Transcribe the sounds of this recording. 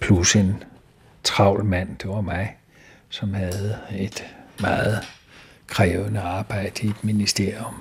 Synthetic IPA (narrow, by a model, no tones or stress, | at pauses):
pʰluse̝n | t͡sʰʁɑ̈ʊ̰lmæn̰d̥e̝ʋɑ̈mɑ̈ɪ | sɒ̽mhæð̩ˠe̝d̥mɑ̈ːð̩ˠ | kʰʁɛːʊənəɑ̈ːb̥ɑ̈ɪ̰d̥əied̥minisd̥e̝ɐ̰ijom